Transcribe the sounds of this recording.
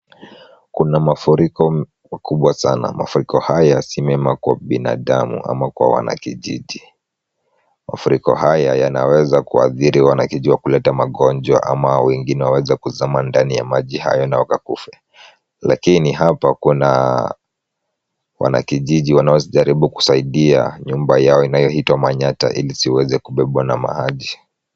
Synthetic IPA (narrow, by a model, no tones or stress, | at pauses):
kunamafuɾikɔ | kuɓwasana̰mafuɾikɔhajasimɛmakwa̰ɓina̰ːɗamṵʔa̰makwa̰wa̰na̰kiʄiʄi | mafuɾikɔ̰hajajanawɛzakua̰θiɾiwanakiʄiwakulɛtamaɠɔnd͡ʒwa̰ʔamawɛŋɡinɛwawɛzɛkuzamandanija̰maʄiha̰jɔnawakakufɛ | la̰kiniɦapakuna | wa̰na̰kiʄiʄiwanaɔsiʄaɾiɓuku̥saiɗia̰ɲumbajaɔinajɔhitwamaɲata̰ʔilisiwɛzɛkuɓɛɓwanama̰haʄi